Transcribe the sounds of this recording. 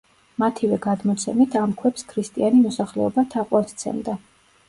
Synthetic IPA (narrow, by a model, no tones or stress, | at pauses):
mat̪ʰivɛɡad̪mɔt̪sʰɛmit̪ʰamkʰwɛpskʰɾist̪ʼianimɔsaχlɛ̰ɔbat̪ʰaqʼwaɾt̪t̪sʰɛ̰md̪a